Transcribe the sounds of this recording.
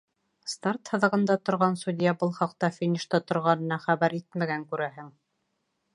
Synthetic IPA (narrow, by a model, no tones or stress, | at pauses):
st̪art̪hɤ̆ðɤ̆ʁɤ̆nd̪ɑt̪ŏɾʁɑnsud̪ʲɪjɑbɤlˠχɑq̚t̪ɑfʲinʲiʃt̪ɑt̪ŏɾʁɑnɤ̆nɑχæβæɾit̪mæɡæŋkʉɾæɦɘŋ